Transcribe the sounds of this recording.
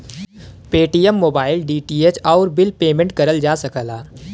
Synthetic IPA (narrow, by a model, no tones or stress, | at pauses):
peːʈijəmːoːbaːɪlɖiːʈiːet͡ʃɔːɾbɪlpeːmẽɳʈ̚kɐɾəld͡ʒaːsɐkəlaː